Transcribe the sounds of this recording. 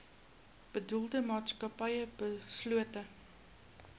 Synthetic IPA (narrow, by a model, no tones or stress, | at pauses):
b̥ədulˠdəmɑːtskɐpɐjəb̥əsluətə